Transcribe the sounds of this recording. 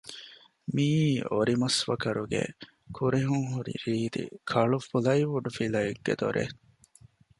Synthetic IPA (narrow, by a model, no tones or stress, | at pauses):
miːoɾimɐsʋɐkɐɾuɡḛ | kʰuɾeɦuŋɦuɾḭɾiːd̪ḭkʰɐɭufulɐiʋuɖufilɐjiɡːḛd̪oɾʔḛ